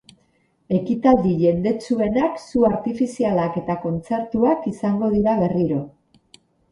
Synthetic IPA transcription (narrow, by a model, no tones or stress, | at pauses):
e̞kit̪ald̪iʝe̞nd̪e̞t͡sue̞naksuaɾt̪ifisialake̞t̪ako̞nt͡se̞ɾt̪uakisaŋɡo̞ð̞iɾaβe̞riɾo̞